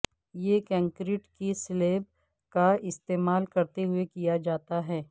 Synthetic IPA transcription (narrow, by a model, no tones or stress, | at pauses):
jekɛ̃ːŋkɾɪʈkisleːb | kaɪst̪eːmaːlkɐɾt̪eɦʊekijad͡ʒaːt̪aɦɛː